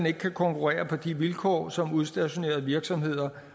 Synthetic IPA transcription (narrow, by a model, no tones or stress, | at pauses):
ne̝ɡ̥əkʰækʰɒ̽ŋkʰuʁɛ̰ːɐpʰɒ̽d̥iʋilkʰɒ̰ːsɒ̽muð̞ˠsd̥æɕo̝ne̝̰ːɐð̞̩ˠʋiɐɡ̥sɒ̽mhe̝ð̞̰ˠɐ